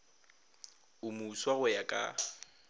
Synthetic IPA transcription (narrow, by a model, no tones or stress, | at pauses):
ʊmuːswaɣʊjakʼa̰